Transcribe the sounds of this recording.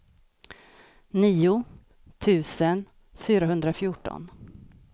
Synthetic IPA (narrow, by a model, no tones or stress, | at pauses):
niːʊ | t̪ʰʉ̟ːsən | fyːɾaɦɵnd̪ɾafjʊʈɔ̰n